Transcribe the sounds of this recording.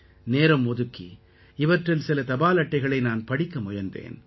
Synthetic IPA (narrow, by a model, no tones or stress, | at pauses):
neːɾɐmːɔðɯkːḭ | ɪʋɐʈrɪlsɪlɐt̪ɐbaːlɐʈːɐɪɣɐɭɐɪnaːnpɐɽɪkːɐmʊjɐnd̪ḛːn